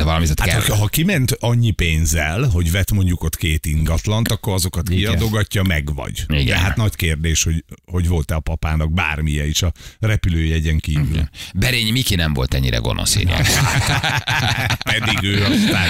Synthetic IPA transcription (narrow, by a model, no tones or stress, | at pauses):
ɛvɒlɒmizɛt̪hat̪hɒkɦɒkimɛnt̪ɒɲːipeːnzɛlɦo̞ɟvɛt̪mo̞ɲɟuko̞t̪keːt̪iŋɡɒt̪lɒnt̪ɒkːo̞ɾɒzo̞kɒt̪kiɒd̪oɡɒcːɒmɛɡvɒ̰ɟḭɡd̪ɛɦat̪nɒckeːrd̪eːʃho̞ɟho̞ɟvo̞lt̪ɛɒpɒpaːnɒɡ̚baːrmijɛiʃɒrɛpyløːjɛɟɛŋkiːvy̰lbɛɾeːɲmikinɛɱvo̞̰lt̪ɛɲːḭɾɛ̰ɡo̞̰no̰sḭna̰a | pɛd̪iɡøːɒst̪aː